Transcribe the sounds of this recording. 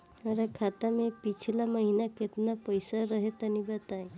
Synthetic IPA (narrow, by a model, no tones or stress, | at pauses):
əɾakʰat̪amẽpit͡ʃʰilaməɦinaket̪napəjsaɾəɦet̪ənibət̪ae